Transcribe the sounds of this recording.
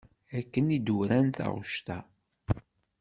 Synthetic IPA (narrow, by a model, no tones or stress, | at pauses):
ækːənid̪uɾænθɑ̰ʁʊʃt̪æ